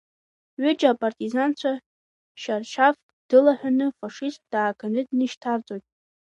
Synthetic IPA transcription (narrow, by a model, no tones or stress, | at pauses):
ɥʏt͡ʃʼapʼartʼizant͡ɕʷʰa | ʃarʃʰafkʼd̥ɨlaħʷᶣanɨfaʂistd̥aːkʰanɨdnɨʃtʰart͡sʼojtʼ